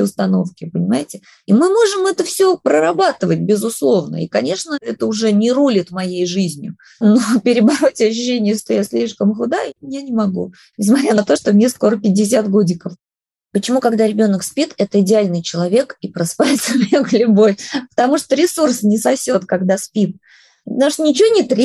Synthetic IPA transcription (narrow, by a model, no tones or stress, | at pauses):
ʊst̪ɐno̞̰fkʲɪpənʲɪmajɪtʲɪ | imɨmo̞ʐɨmɛt̪əfsʲopɾəɾɐbat̪ɨvət̚ʲbʲɪzʊslˠo̞vnə̰ḭkɐnʲe̞ʂnəɛt̪əʊʐɛnʲɪɾulʲɪt̪mɐjejʐɨzʲnʲʊ | nopʲɪɾʲɪbɐɾo̞tʲɐɕ̬ːʉɕːenʲɪjəʂt̪ojasʲlʲiʂkəmxʊd̪amʲɪnʲanʲɪmɐɡṵ | nʲɪsmɐt̪ɾʲanɐt̪o̞ʂt̪omnʲesko̞ɾəpʲɪdʲɪs̬ʲat̪ɡodʲɪkəf | pət͡ɕɪmukɐɡd̪aɾʲɪbʲo̞nəkspʲit̪ɛt̪əɪdʲɪalʲnɨjt͡ɕɪlˠɐvʲe̞kipɾɐspajɪt̪səmʲnʲeɡlʲʊbo̞fʲpə̥t̪ɐmuʂt̪oɾʲɪsursnʲɪsɐfsʲo̞t̪kɐɡd̪aspʲit̪̚ | pət̪amuʂt̪nʲɪt͡ɕɪvonʲɪt̪ɾʲ